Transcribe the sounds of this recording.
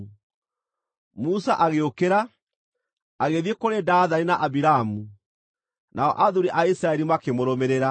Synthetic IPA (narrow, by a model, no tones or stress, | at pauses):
musaʔaɣeokeɾa | aɣeðjekoɾedaðaninaʔabiɾamu | nʔaɔ̰ʔaðuɾiʔaisɾaɛɾimakemoɾɔmeɾeɾa